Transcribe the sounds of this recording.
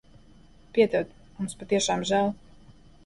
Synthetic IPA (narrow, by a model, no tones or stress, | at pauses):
pʲiɛt̪ɛwt̪ | mumspat̪iɛʃaːmʒæːlˠ